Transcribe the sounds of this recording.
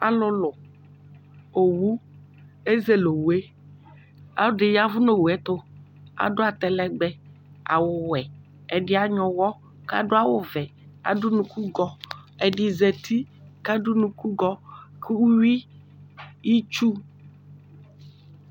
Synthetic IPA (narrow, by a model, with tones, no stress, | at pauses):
a̰˨lʊ˦lʊ˨ | o˨wu˦ | e˦ze˦lo˨wu˨e˦ | a̰˨˦ɖɪ˨ja˨vʊ˦no˦wu˨ɛ˨t̪o˦ | a̰˨ɖo˦a˨t̪ɛ˨lɛ˦ɡ͡bɛ˦ | a̰˨wʊ˦wɛ˨ | ɛ˨ɖɪ˦a˨ɲɔ̃˨wɔ˦ | ka̰˦ɖo˦a˦wʊ˦vɛ˨a̰˨dʊ˦nũ˨ku˦ɡɔ˦ɛ˨ɖɪ˨zɛ˨t̪ʰi˦ka˦ɖu˦nũ˨ku˦ɡɔ˦kʰwu˦wi˦ | ji˦t͡ʃu˦